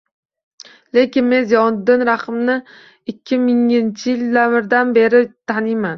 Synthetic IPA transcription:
le̞kʲɪnme̞nzjɒnd̪ːɪnɾaχɨmnɪ | ɪkʲʰːɪmɪŋnt͡ʃʰɪjɪld̪amɪɾd̪anbe̞ɾɪt̪ʰanɪjman

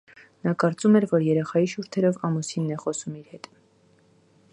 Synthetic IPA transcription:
nɑkɑɾt͡sumɛɾvɔɾjɛɾɛχɑjiʃuɾt̪ʰɛɾɔvɑmusinːɛχɔsumiɾhɛt̪

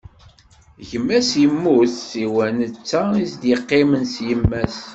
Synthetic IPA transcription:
ʝəmːæsjəmːuθːiwænət͡sːæisd̪jəqːɪmənsjəmːæs

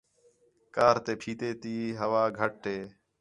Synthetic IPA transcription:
kaːɾt̪eːpʰiːt̪eːt̪iːɦəʋaːɡʱəʈ̚ːeː

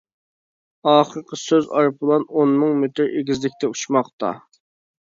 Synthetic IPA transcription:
ɑːχəɾqʰəsøzɑ̰ɾpʰəlˠɑnonmɨŋmet̪ʰɪɾʔeɡʲizlɪkʲt̪ʰɛuʃmɑqt̪ɑ̰

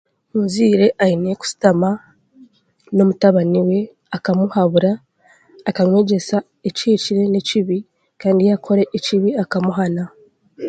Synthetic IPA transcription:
munziːɾe̞ʔaineku̥si̥tama | no̞mutaβaniwe̞ | akamuhaβuɾaː | kaŋwe̞ɟe̞sa | eciːciɾe̞ne̞ciβi | kaːndijakʰo̞ɾe̞ʔːciβiakamuɦana

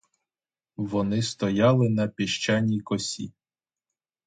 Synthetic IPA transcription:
ʋɔnɪst̪ɔjɑlˠɪnɐpʲiʃt͡ʃɑnʲikɔsʲḭ

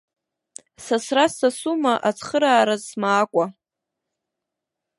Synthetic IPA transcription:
sasrasasumaʔat͡sʰχəɾaːɾazmaːkʷʼa

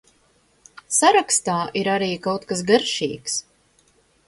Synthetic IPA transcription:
saɾakst̪aːʔiɾaɾiːkawt̪kas̬ɡaɾʃḭːks

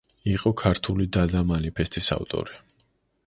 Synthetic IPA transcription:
iqʼɔkʰaɾt̪ʰulid̪ad̪amanipʰɛst̪ʰisa̰vt̪ʼɔ̰ɾi

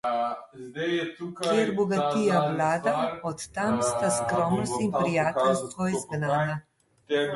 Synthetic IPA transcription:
kkʲjɛɾbɔɡat̪ijawlaːd̪aɔt̪ːamst̪askɾɔmnɔst̪impɾijaːt̪ɛlst̪ɔjzɡnaːna

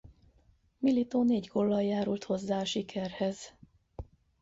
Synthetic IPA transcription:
milit̪oːneːɟɡolːɒjjaːɾult̪ho̞zːaːɒʃikʰɛrhɛz̥

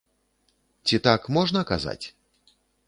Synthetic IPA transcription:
t͡sʲit̪akmɔʐnɐkaza̰t͡sʲ

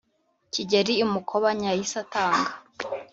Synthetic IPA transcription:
ciɟeɾiːmukʰoβaɲajisataːŋɡḁ

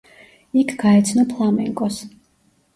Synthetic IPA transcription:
ikʰɡ̥aɛt̪sʰnɔpʰlˠamɛ̰ŋkʼɔs

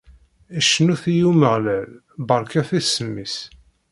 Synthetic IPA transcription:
æʃːnuθijuməʁlæl | bəɾˤkæθæsːəmːis

